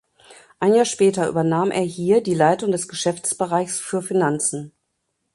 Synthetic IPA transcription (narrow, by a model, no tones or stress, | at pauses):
ʔaɪnjaːɐʃpɛːtɐʔy̰ːbɐnaːmʔḛːɐhiːɐdiːlaɪtʊŋdɛsɡ̥əʃɛft͡sb̥əʁaɪçsfyːɐfinant͡sn̩